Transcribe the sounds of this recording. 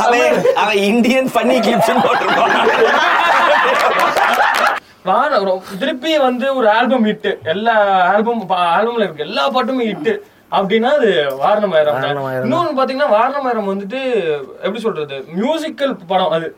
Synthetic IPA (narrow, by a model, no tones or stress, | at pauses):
ɐɐʋẽɪnɖ̪ɪjɐnpɐnːikɪlɪpt͡ʃːɐnpaːʈːɯɾɯaː | ʋaːɾɐnɐɾ̃t̪ɪɾɯpːɪjɐʋɐnd̪ɯɔɾɯaːlbɐmɪʈːɯɛlːaːaːlbɐmpaaːlbɐmlɐɪkːɯɛlːaːpaːʈ̬ːɯmɪʈːɯ | ɐpːɐɽɪnːaːɐðɯʋaːɾɐɳɐmɐːjɐɾɐmãnːup̬aːɾt̪iŋɐnːaːʋaːɾɐnɐmɐːjɐɾɐmʋɐnd̪ɯʈ̬ːɯɛpːɐɽisɔlːɾɐðɯmjuːsɪkːɐlpɐɽʊ̃ʔɐðɯ